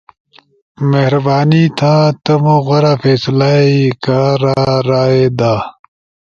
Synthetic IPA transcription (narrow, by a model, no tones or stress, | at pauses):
mehɾbaːnit̪ʰaːt̪ɐmoɣɐɾaːfeːslaːikaːɾaɾaːed̪aː